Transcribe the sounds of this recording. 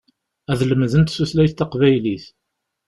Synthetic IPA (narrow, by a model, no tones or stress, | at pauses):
æðləmðənt̪suθlæjθt̪ːɑqvæjliθ